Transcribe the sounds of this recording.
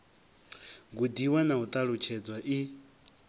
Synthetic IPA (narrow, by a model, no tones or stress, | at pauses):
ɡudiwanaut̪ʼaɺut͡ʃʰɛd͡zwaʔi